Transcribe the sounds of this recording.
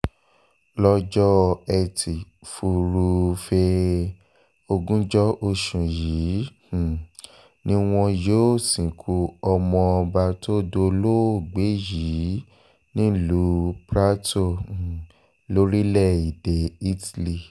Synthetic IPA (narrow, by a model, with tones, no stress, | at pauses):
lɔ˧d͡ʒɔ˦ɛ˨ti˨ | fu˧ɾu˧fe˧ | o˧ɡũ˦d͡ʒɔ˦ʔo˧ʃũ˨jĩ˨˦˨ | nĩ˦w̃ɔ̃˧jo˦˨sĩ˨kʰu˧ɔ˧mɔ̃˧ɔ˧ba˧tʰo˦do˧lo˦˨ɡ͡be˨˦ji˨˦ | nĩ˦lu˨˦pɾa˦tõ˦˨ | lo˦ɾi˦lɛ˦˨i˨de˨i˦tli˨